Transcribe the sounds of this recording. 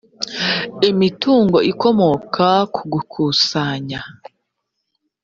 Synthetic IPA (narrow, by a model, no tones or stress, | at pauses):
emituːŋɡo̞ʔiko̞mo̞kʰakʰuɡukʰuːsaɲa